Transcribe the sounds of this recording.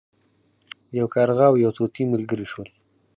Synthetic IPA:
jawkɑɾɣɑwjawt̪ot̪iməlɡəɾiʃwəl

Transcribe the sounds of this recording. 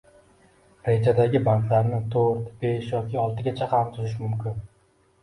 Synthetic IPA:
ɾe̞d͡ʒad̪aɡʲɪbaŋklaɾnɪt̪ʰoɾt̪b̥eʃjɒkʲɪɒlˠt̪ɪɡʲat͡ʃʰahamt̪ʰʊzɪʃmʊmkʲɪn

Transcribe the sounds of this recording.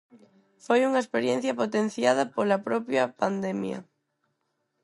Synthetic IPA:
fojuŋɐespeɾjẽn̟θjɐpot̪en̟θjað̞ɐpolɐpɾɔpjɐpand̪emjɐ̰

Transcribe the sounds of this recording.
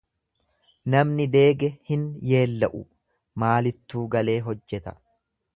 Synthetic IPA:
nɐmnɪd̪e̞ːɡɛhɪnje̞ːlːɐʔʊ̰ | maːlɪt̪ːuːɡɐle̞ːɦɔd͡ʒːɛt̪ɐ̥

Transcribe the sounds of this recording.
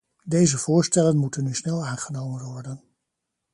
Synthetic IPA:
dejzəv̥ʊːɹstɛlənmutənːysnɛlˠaːnχənowmənʋɔɹdən

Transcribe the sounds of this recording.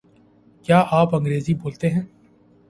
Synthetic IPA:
kjaːʔaːpɐ̃ŋɡɾeːziboːlt̪eɦɛ̃ː

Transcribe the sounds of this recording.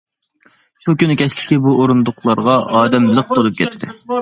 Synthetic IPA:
ʃukʲynkʲʰɛslɪ̥kʲibuʔoɾund̪ʊqʰlˠɑɾʁɑʔɑːd̪ɛmlˠəq̚t̪ʰolˠup̚kʲʰɛt̪ʰːɪ

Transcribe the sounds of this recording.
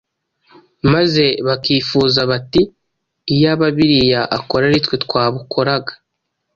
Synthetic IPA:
maze̞βakiːfuːzaβatiː | jaβaβiɾijaʔako̞ɾaɾitwetkwaːβukʰo̞ɾaɡḁ

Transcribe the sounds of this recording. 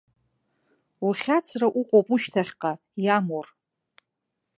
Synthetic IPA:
uχʲat͡sʰraʔuqʷʼowpʼuʃtʰaχʲqʼa | jamor

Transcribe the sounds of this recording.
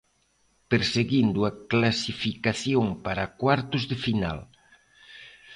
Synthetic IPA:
peɾseɣind̪uaklasifikaθjoŋpaɾakwaɾt̪ʊzðefina̰l

